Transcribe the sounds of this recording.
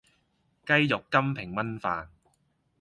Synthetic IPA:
kɐ˥jjʊ˨kːɐ˥mpʰɪ˨˩ŋmɐ˥nfaː˨n

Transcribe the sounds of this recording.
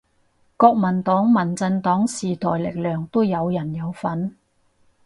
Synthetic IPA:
kɔː˧k̚mɐ˨˩nt̪ɔː˨˥ŋmɐ˨˩nt͡sɐ˧nt̪ɔː˨˥ŋsiː˨˩t̪ʰɔː˨˩jlɪ˨k̚lœː˨˩ŋt̪o˥wjɐ˨˧wjɐ˨˩njɐ˨˧wfɐ˨˥n

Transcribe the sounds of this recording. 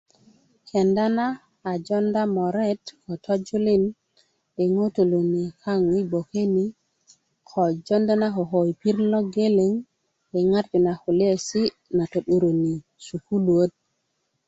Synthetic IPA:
ke˨nda˦naː˦˨ | d͡ʒo˦nda˦mo˨ɾe˦tko˨to˦d͡ʒu˦li˦n | ɗe˨ŋo˦to˨lo˨ni˨ka˦ŋwi˦bo˨ke˦ni˦ | kʰo˨d͡ʒo˦nda˦na˦ko˨ɦo˨jpi˦ɾlo˦ɡe˦le˨ŋ | ɗe˨ŋa˦ɾd͡ʒi˨na˨hu˨le˦e˨si˦ | na˨to˨ɗu˨ɾo˨ni˨ | su˨ku˦lu˨o˦t̪̚

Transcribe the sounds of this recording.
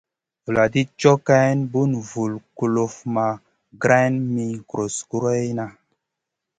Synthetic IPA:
vu˨la˨di˦t͡ʃo˦ka˦nbu˦nvu˨lku˨lo˨fma˨ | ɡɾa˦nmi˦kɾo˨sku˦ɾo˦jna˨

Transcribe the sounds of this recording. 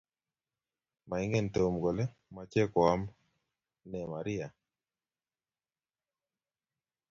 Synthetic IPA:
ma˨i˦ŋe˦˨nto˨mɡo˨lɛ˦ | ma˨t͡ʃɛ˦kɔ˨a˦m | nɛ˨ma˨ɾɪ˦a˨

